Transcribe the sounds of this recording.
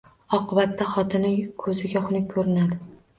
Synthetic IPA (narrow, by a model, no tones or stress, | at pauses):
ɒqʰɨbat̪ʰːaχɒt̪ʰɪnɪkʰɵzɪɡʲaχʊnɪkʰɵɾɪnad̪ɪ